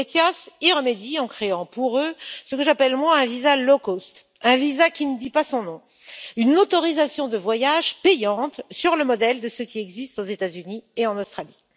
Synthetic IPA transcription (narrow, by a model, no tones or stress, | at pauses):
et̪jasiʁəmed̪iɑ̃kχeɑ̃puʁøsəkəʒapɛlmwaɛ̃vizalɔkost̪ | ɛ̃vizakʲinəd̪ipasɔ̃nɔ̃ | ynot̪ɔʁizasjɔ̃d̪əvwajaʒpɛjɑ̃t̪syʁləmɔd̪ɛld̪əsəkʲiɛɡzist̪ozet̪azynieɑ̃nost̪χali